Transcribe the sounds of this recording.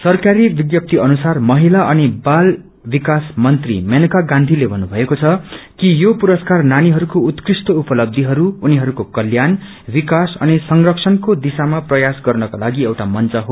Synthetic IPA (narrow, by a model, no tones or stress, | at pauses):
sʌrkaɾibiɡjʌp̚t̪iʌnusarmʌɦilaʔʌnibal | bikasmʌnt̪rḭmenukaɡãnd̪ʱilebʱʌnːubʱʌekot͡sʰʌkijopuɾʌskarnaniɦʌɾukout̪krist̪oupʌlʌb̚d̪ʱiɦʌɾuːniɦʌɾukokʌljan | bikasʌ̰nisʌŋrʌksʰʌnkod̪isamaprʌjasɡʌrnʌkalaɡiewʈamʌnt͡sʌɦo